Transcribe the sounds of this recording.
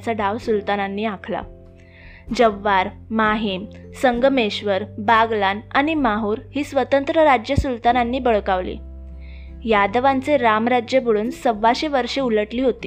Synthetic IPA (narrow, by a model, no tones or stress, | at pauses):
t͡saɖaʋsult̪anãnːiːãkʰla̰ | d͡ʑəʋːaɾmaɦem | səŋɡmeɕʋəɾbaɡlanaɽ̃imaɦuːɾhiːsʋət̪ənt̪ɾəɾad͡ʑjəsult̪ananːiːbəɭkaʋlḛ | jad̪ʋant͡seɾamɾad͡ʑjəbəɭuːnsəʋːaɕeʋəɾʂeuləʈliːɦot̪iː